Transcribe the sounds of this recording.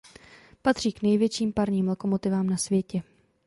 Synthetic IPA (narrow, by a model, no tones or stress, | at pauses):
pat̪r̥iːknɛjvjɛt͡ʃiːmpaɾɲiːmloko̞mo̞t̪ɪvaːmnasvjɛcɛ